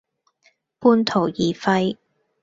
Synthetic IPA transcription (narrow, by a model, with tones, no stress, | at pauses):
puː˧nt̪ʰo˨˩wjiː˨˩fɐ˧j